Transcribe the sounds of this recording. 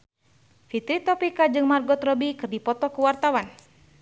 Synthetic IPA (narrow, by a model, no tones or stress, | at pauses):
fit̪ɾit̪ɔpikad͡ʒɨŋmarɡɔt̪rɔbikɨrdipɔt̪ɔkuwart̪awan